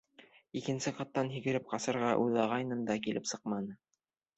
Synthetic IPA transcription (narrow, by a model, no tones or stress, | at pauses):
ikɘ̆nsɘqɑt̪ːɑnɦiɡɘ̆ɾɘp̚qɑsɤ̆ɾʁɑʔujðˠɑʁɑjnɤmd̪ɑkilɘ̰psɤqmɑnɤ